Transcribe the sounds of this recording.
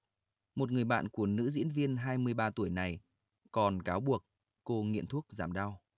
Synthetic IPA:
mo˨˩t̚ŋɨ˨˩əjɓa̰ː˧˨nku˧˩ənɨ̰˧˥zḭ˧˥ənvi˧ənɦaː˧jmɨ˧əjɓaː˧t̪u˧˩əjna˨˩j | kɔ˨˩nkaː˨˦wɓu˨˩əkː | o˧ŋḭ˧˨ənt̪ʰu˦˥ək̚zaː˧˩mɗa˧w

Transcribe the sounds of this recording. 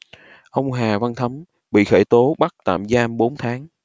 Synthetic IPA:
ʔə˧wŋ͡mɦaː˨˩va˧nt̪ʰə˨˦m | ɓḭ˧˨xe˧˩t̪o˨˦ɓa˦˥k̚t̪a̰ː˧˨mzaː˧mɓo˨˦nt̪ʰaː˨˦ŋ

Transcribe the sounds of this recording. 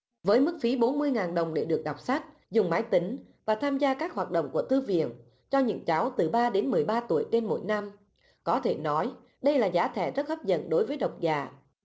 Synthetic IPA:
vəː˨˦jmɨ˦˥k̚fi˨˦ɓo˨˦nmɨ˧əjŋaː˨˩nɗə˨˩wŋ͡mɗe˧˩ɗɨ˨˩ək̚ɗa˨˩wk͡p̚sa˦˥t̚ | zʊ˨˩ŋ͡mmaː˨˦jt̪ï˨˦ŋ̟vaː˨˩t̪ʰaː˧mzaː˧kaː˦˥k̚hwaː˨˩t̚ɗo̰˧˨wŋ͡mku˧˩ət̪ɨ˧vḭ˧˩˨ən | t͡ɕɔ˧ɲɨ̰˧˥ŋt͡ɕa˨˦wt̪ɨ˨˩ɓaː˧ɗe˨˦nmɨ˨˩əjɓaː˧t̪u˧˩əjt͡ɕe˧nmo̰˧˥jna˧m | kɔ˨˦t̪ʰe˧˩nɔ˨˦j | ɗə˧jlaː˨˩zaː˨˦t̪ʰɛ̰˧˩zə˦˥t̚hə˦˥p̚zə̰˧˨nɗo˨˦jvəː˨˦jɗə˨˩wk͡p̚zaː˧˩

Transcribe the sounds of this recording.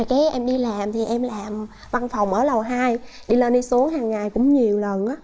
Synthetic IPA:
jkaː˨˦jʔɛ˧mɗi˧laː˨˩mt̪ʰi˨˩ʔɛ˧mlaː˨˩m | va˧nfa˨˩wŋ͡mʔəː˧˩lə˨˩wɦaː˧j | ɗi˧lə˧nɗi˧su˨˦əŋɦaː˨˩ŋːa˨˩jkʊ̰˧˥ŋ͡mɲi˨˩əwlə˨˩nʔaː˨˦

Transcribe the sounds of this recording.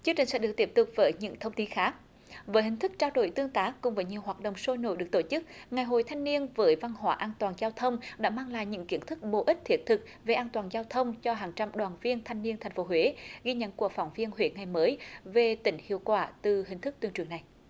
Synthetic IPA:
t͡ɕɨ˧əŋt͡ɕï˨˩ŋ̟sɛ̰˧˥ɨ˨˩ək̚t̪i˦˥p̚t̪ʊ˨˩k͡p̚vəː˨˦jɲɨ̰˧˥ŋt̪ʰə˧wŋ͡mt̪i˨˦xaː˦˥k̚ | vəː˨˦jhï̟˨˩t̪ʰɨ˦˥k̚t͡ɕaː˧wɗo̰˧˩jt̪ɨ˧əŋt̪aː˦˥kːʊ̰˧˨ŋ͡mvəː˨˦jɲi˨˩əwhwaː˨˩t̚ɗo̰˧˨wŋ͡mso˧no̰˧˩jɗɨ˨˩ək̚t̪o˧˩t͡ɕɨ˦˥k̚ŋa˨˩jɦo̰˧˨jt̪ʰa˧jŋ̟ni˧ənvəː˨˦jva˧nɦwaː˨˦ʔaː˧nt̪waː˨˩nzaː˧wt̪ʰə˧wŋ͡mɗa̰ː˧˥maː˧ŋla̰ː˧˨jɲɨ̰˧˥ŋki˧˦ənt̪ʰɨ˦˥k̚ɓo˨˩ʔi˦˥t̚t̪ʰi˦˥ət̚t̪ʰɨ˨˩k̚ve˨˩ʔaː˧nt̪waː˨˩nzaː˧wt̪ʰə˧wŋ͡mt͡ɕɔ˧ɦaː˨˩ŋt͡ɕa˧mɗwaː˨˩nvi˧ənt̪ʰa˧jŋ̟ni˧ənt̪ʰjŋ̟fo˨˦ɦwe˨˦ɣi˧ɲə̰˧˨nku˧˩əkfɔ˨˩wŋ͡mvi˧ənɦwe˨˦ŋa˨˩jməː˨˦jve˨˩t̪ï˨˩˦ŋ̟hḭ˧˨əwkwaː˧˩t̪ɨ˨˩hï˨˩ŋ̟t̪ʰɨ˦˥t̪wəŋt͡ɕwɨ˨˩əŋna˨˩j

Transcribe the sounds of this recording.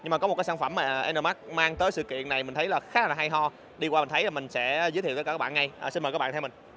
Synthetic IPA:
ɲɨ˧ŋmaː˨kɔ˨˦mo˨˩kaː˨˦sːŋfə˧˩mːaː˨˩ʔɛ˧nə˧˩ma˦˥k̚maː˧ŋt̪əː˨˦jsɨ̰˧˨kḭ˧˨ənːa˨˩jmï˨˩ŋ̟t̪ʰə˨˦jlaː˨˩xaː˦˥laː˨˩ɦa˧jɦɔ˧ | ɗi˧kwa˧ï˨˩ŋ̟t̪ʰə˨˦jlaː˨˩mï˨˩ŋ̟sɛ̰˧˥˧zɨ˨˦t̪ʰi˧˨əː˨˦˧aː˦˥ɓa̰ː˧˨nŋa˧jsi˧nməː˨˩kaː˦˥ɓ̰aː˧˨t̪ʰmï˨˩ŋ̟

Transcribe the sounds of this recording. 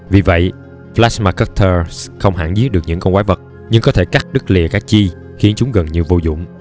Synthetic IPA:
vi˨˩və̰˧˨jʔ | flaː˦˥smaː˧˩kə˦˥k̚t̪ʰəː˧xə˧wŋ͡mɦa̰ː˧˨nzi˦˥ət̚ɗɨ˨˩ək̚ɲɨ̰˧˥ŋkɔ˧nkwaː˨˦və˨˩t̚ | ɲɨ˧ŋkɔ˨˦t̪ʰe˧˩ka˦˥k̚ɗɨ˦˥k̚lḭ˧˨əkaː˦˥k̚t͡ɕi˧ | xi˨˦ənt͡ɕʊ˨˦ŋ͡mɣə˨˩nɲi˨˩əwvo˧zʊ̰˧˩˨ŋ͡m

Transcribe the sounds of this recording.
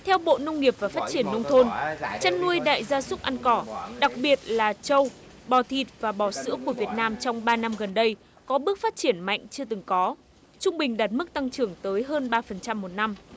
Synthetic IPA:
t̪ʰɛ˧wɓo̰˧˨nə˧wŋ͡mŋi˨˩əp̚vaː˨˩faː˦˥t̚t͡ɕi˧˩ənːə˧wŋ͡mt̪ʰo˧nt͡ɕa˧n̚nu˧əjɗa̰ː˧˨jzaː˧sʊ˦˥k͡p̚ʔa˧nkɔ˧˩ɗa˨˩k̚ɓi˨˩ət̚laː˨˩t͡ɕə˧w | ɓɔ˨˩t̪ʰi˨˩t̚vaː˨˩ɓɔ˧˩sɨ̰˧˥əku˧˩əvi˨˩ət̚naː˧mt͡ɕɔ˧wŋ͡mɓaː˧na˧mɣə˨˩nɗə˧j | kɔ˨˦ɓɨ˦˥ək̚faː˦˥t̚t͡ɕi˧˩ənma̰˧˨jŋ̟t͡ɕɨ˧ət̪ɨ˨˩ŋkɔ˨˦ | t͡ɕʊ˧ŋ͡mɓï˨˩ŋ̟ɗaː˨˩t̚mɨ˦˥k̚t̪a˧ŋt͡ɕɨ˧˩əŋt̪əː˨˦jɦəː˧nɓaː˧fə˨˩nt͡ɕa˧mːo˨˩t̚na˧m

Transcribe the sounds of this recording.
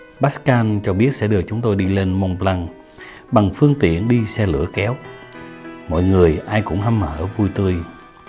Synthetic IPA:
ɓa˦˥skaː˧nt͡ɕɔ˧ɓi˦˥ət̚sɛ̰˧˥ɗɨ˨˩ət͡ɕʊ˨˦ŋ͡mt̪o˧jɗi˧le˧nmo˧ŋ͡mpla˧ŋ | ɓa˨˩ŋfɨ˧əŋt̪ḭ˧˨ənɗi˧sɛ˧lɨ̰˧˩əkɛ˨˦w | mɔ̰˧˨jŋɨ˨˩əjʔaː˧jkʊ̰˧˥ŋ͡mhə˧mhəː˧˩vu˧jt̪ɨ˧əj

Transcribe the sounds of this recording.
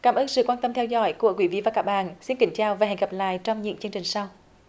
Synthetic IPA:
kaː˨˩mʔəː˧nsɨ̰˧˨kwaː˧nt̪ə˧mt̪ʰɛ˧wzɔ̰˧˥˦jku˧˩əkwi˨˦vḭ˧˨vaː˨˩kaː˦˥k̚ɓa̰ː˧˨nsi˧nkï˨˦ŋ̟t͡ɕaː˨˩wvaː˨˩ɦɛ˨˩˨ŋɣə˨˩p̚la̰ː˧˨jt͡ɕɔ˧wŋ͡mɲɨ̰˧˥ŋt͡ɕɨ˧ənt͡ɕï˨˩ŋ̟sa˧w

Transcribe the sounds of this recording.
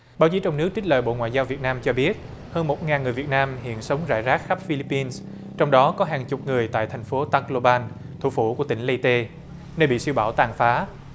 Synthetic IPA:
ɓaː˨˦wt͡ɕi˨˦t͡ɕɔ˧wŋ͡mnɨ˦˥ək̚t͡ɕï˦˥ŋ̟ləː˧˨jɓo̰˧˨ŋwaː˧˨zaː˧wvi˨˩t̚naː˧mt͡ɕɔ˧ɓi˦˥ət̚ | həː˧nmo˨˩t̚ŋaː˨˩nŋɨ˨˩əjvi˨˩ət̚naː˧mhḭ˧˨ənsə˨˦wŋ͡mza̰ː˧˨jzaː˦˥t̚xa˦˥p̚fi˧li˦˥pːi˧ns | t͡ɕɔ˧wŋ͡mɗɔ˨˦kɔ˨˦ɦaː˨˩ŋt͡ɕʊ˨˩p̚ŋɨ˨˩əjt̪a̰ː˧˨t̪ʰɛ˨˩ŋ̟fo˨˦t̪aː˦˥k̚lo˧ɓaː˧n | t̪ʰṵ˧˩fu˧˩ku˧˩ət̪ï˧˩ŋ̟le˧t̪e˧ | ne˧nɓḭ˧˨si˧wɓaː˧˩wt̪aː˨˩ŋfaː˨˦

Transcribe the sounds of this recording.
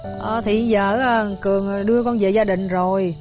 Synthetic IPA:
ʔəː˨˩t̪ʰḭ˧˩˨ənzəː˨˩˦kɨ˨˩əŋ˨˩ɗɨ˧əkɔ˧nzḛ˧˨˩zaː˧ɗï˨ŋ̟zo˨˩j

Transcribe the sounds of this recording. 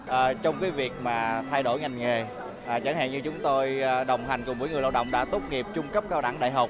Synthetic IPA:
ʔəː˨˩t͡ɕɔ˧wŋ͡mkaː˨˦jvi˨˩ək̚maː˨˩t̪ʰa˧jɗo˧˩jŋa˨˩jŋ̟ŋe˨˩ | ʔːt͡ɕa̰˧˩ŋha̰ː˧˨nɲɨ˧t͡ɕʊ˨˦ŋ͡mt̪o˧jɗə˨˩wŋ͡mɦa˨˩jŋ̟kʊ˨˩ŋ͡mɓo̰˧˥˦jŋɨ˨˩əjlaː˧wɗə̰˧˨ŋ͡mɗa̰ː˧˥t̪o˦˥t̚ŋi˨˩əp̚t͡ɕʊ˧ŋ͡mkə˦˥p̚kaː˧wɗaː˧˥˩ŋɗa̰ː˧˨jɦa˨˩wk͡p̚

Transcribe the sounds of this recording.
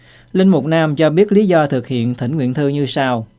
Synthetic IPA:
le˧nmo˨˩t̚naː˧mt͡ɕɔ˧ɓi˦˥ət̚li˨˦zɔ˧t̪ʰɨ˨˩k̚hḭ˧˨ənt̪ʰï˧˩ŋ̟ŋwḭ˧˨ənt̪ʰɨ˧ɲɨ˧saː˧w

